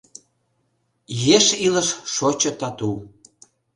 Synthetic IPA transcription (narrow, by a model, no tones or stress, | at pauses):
jeʃiləʃʃot͡ɕə̆t̪ɑt̪u